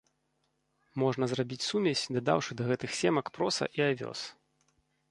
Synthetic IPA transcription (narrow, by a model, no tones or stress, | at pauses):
mɔʐnɐzrabʲit͡sʲsumʲɛsʲd̪ad̪a̰wʂɨd̪ɐɣɛt̪ɨxsʲɛmɐkpɾɔsɐ̰ʔiavʲɔ̰s